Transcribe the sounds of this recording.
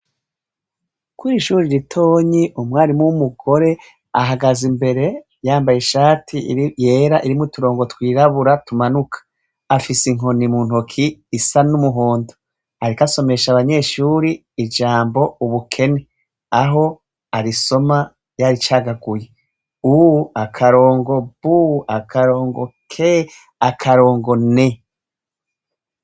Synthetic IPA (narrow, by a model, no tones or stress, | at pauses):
kuɾiʃuːɾiɾitʰo̞ːɲiʔumŋaːɾimumuɡo̞ɾe̞ | aɦaɡazimbe̞ɾe̞ | jaːmbaje̞ʃaːtʰije̞ːɾaʔiɾimutuɾoːŋɡo̞twiːɾaβuɾatumanukʰḁ | afisiŋo̞nimuːn̥okʰiːsanumuɦoːndo | aɾikaso̞me̞ʃaβaɲe̞ːʃuɾiː | d͡ʒaːmbo̞uβukʰe̞ne̞ | aɦo̞ | aɾiso̞ma | jaɾit͡ʃaːɡaɡuje | uakʰaɾo̞ːŋɡo̞buakʰaɾo̞ːŋɡo̞̰kʰe | akʰaɾo̞ːŋɡo̞ne̞